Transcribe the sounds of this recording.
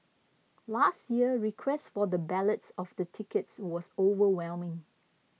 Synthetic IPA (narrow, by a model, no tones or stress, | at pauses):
lastjiəɹikʰwɛstfɔdəbɛlətsɔfd̪ətʰɪkətswɔsovəwɛlmɪ̃ŋ